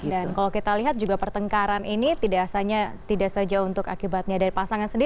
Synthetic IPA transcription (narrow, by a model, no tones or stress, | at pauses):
dankalakit̪aliɦat̪̚d͡ʒuɡapərt̪əŋkaɾanʔinit̪idasaɲat̪idaʔsad͡ʒaunt̪ʊka̰kibat̪̚ɲadaɾipasaŋansəndi